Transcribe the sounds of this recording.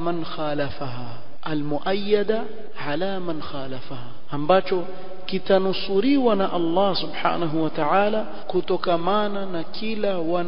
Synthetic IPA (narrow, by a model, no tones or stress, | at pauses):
manxaːlafaɦaː | almuʔajːad̪a | ʕalaːmanxaːlafahaː | ambat͡ʃɔ | kitanusuɾiwanaʔɑlˤːɑsubħa̰ːnaɦuwataʕaːla | kutɔkamananakilawan